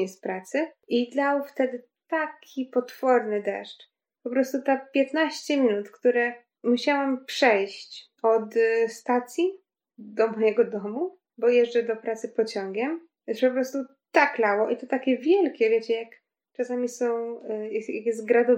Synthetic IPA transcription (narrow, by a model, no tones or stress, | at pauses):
ɛspɾat̪sɘid̪awft̪ɛd̪ɘ | t̪akʲipɔt̪fɔɾnɘd̪ɛ̰ʂt | pɔpɾɔst̪ut̪apʲjɛt̪naɕt͡ɕɛmʲinut̪kt̪uɾɛ | muɕawampʂɛjɕt͡ɕ | ɔt̪st̪at̪sʲji | d̪ɔmɔjɛɡɔd̪ɔmu | bɔjɛʐdɛd̪ɔpɾat̪sɘpɔt͡ɕɔŋɡʲɛm | jɛspɔpɾɔst̪u | t̪aklawɔʔit̪ɔt̪akʲɛvʲjɛlkʲɛvʲjet͡ɕɛjak | t͡ʂasamʲisɔ̃w̃jja̰kjɛst̪̚ɡɾad̪ɔ